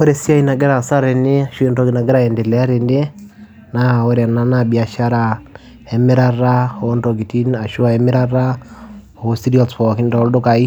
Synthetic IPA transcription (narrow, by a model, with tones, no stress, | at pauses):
ɔ˦ɾɛ˨si˦a˦i˦na˨ɡɛ˦ɾa˨sa˦ɾɛ˨ne˦a˨ʃu˦ɛ˦ndɔɡi˨na˨ɡɛ˦ɾa˦ɛ˨nde˨lɛ˨a˦ɾe˨nde˦ | naɔ˦ɾɛ˨na˦nabia˨ʃa˦ɾa˨ | ɛ˨mɪ˦ɾa˦ɾa˦o˦ndɔɡi˨ti˦na˨ʃu˦a˨ɛ˦mɪ˦ɾa˦ɾa˦ | ɔ˨si˦diɔlspɔ˨ki˦ndɔ˨˦ldo˦kai˦